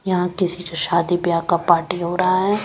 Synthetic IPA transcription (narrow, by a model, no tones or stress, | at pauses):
jɐɦãkɪsikʃaːd̪ibjaːkapaːɾʈiɦoːɾɐɦaɦɛː